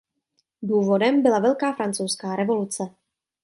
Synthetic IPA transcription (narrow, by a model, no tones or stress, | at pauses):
duːvo̞dɛmbɪlavɛlkaːfɾant͡sowskaːɾɛvo̞lut͡sɛ